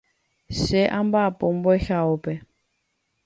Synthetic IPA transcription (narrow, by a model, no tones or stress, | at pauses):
ʃɛʔambapombɔxaopɛ